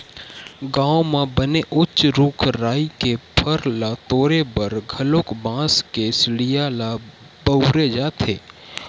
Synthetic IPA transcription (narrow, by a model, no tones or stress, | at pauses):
ɡãːõmãbəneʔʊt͡ʃɾuːkʰɾaːikepʰəɾlat̪oːɾebəɾɡʱəloːkbãːskesɽɪjala | bəʊɾed͡ʒaːt̪ʰeː